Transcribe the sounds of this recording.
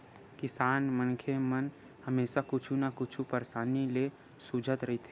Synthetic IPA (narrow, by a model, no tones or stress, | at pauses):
kɪsaːnmənkʰemən | həmeːsakʊt͡ʃʰũnakʊt͡ʃʰupəɾsaːnile | sud͡ʒʱət̪ɾɐɦit̪ʰeː